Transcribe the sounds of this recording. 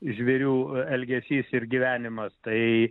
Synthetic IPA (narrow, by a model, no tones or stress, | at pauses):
ʒʲʋʲɛɾʲuːɛlʲɡʲɛsʲiːsɪɾɡʲiʋʲæːnʲɪmɐst̪ɐɪ